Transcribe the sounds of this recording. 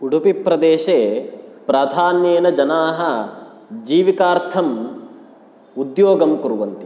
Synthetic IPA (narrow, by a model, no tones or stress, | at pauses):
uɽupipɾɐd̪eːʃeːpɾaːd̪ʱaːnjeːnɐd͡ʒɐnaːɦɐ̆ | d͡ʒiːʋikaːɾt̪ʰɐm | ud̪joːɡɐmkuɾuʋɐnt̪i̥